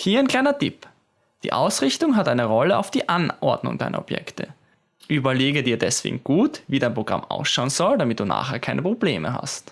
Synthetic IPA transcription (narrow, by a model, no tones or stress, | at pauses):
hiːɐaɪnkʰl̥aɪnɐtʰɪp | d̥ḭːʔaʊsʁɪçtʊŋɦatʔaɪnəʁɔləa̰ʊfd̥iːʔanʔɔɐdnʊ̰ŋdaɪnɐ̰ɔb̥jɛ̰ktə̰ | ʔyːbɐleːɡədiːɐdɛsv̥ḛːɡŋ̩ɡ̥uːtviːdaɪnpʁoɡʁa̰mʔa̰ʊsʃaʊənz̥ɔldamɪt̚d̥uːna̰ːχheːɐkʰaɪnəpʁ̥obleːməɦa̰st